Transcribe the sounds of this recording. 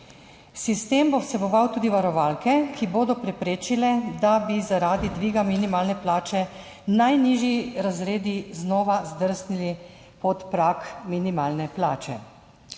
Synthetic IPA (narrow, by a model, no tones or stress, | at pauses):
sist̪eːmbowsɛbɔʋawt̪uːd̪iʋaɾɔʋaːlkɛkʰiboːd̪ɔpɾɛpɾeːt͡ʃilɛd̪abizaɾaːd̪id̪ʋiːɡaminimaːlnɛplaːt͡ʃɛ | najniːʒjiɾazɾeːd̪iznɔːʋazd̪əɾsnili | pɔt̪pɾakminimaːlnɛplaːt͡ʃɛ̰